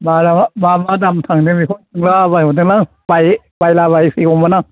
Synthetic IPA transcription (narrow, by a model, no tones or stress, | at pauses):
madamaːmadamt̪ʰaŋdɯmiːkʰont̪ɯŋlaːbajot̪̬ɯlaŋ | paj | pajlaːbajsiːkomanaŋ